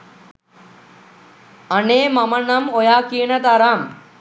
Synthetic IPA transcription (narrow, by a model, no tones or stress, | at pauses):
ɐneːmɐmɐnɐmojaːkinɐt̪aɾam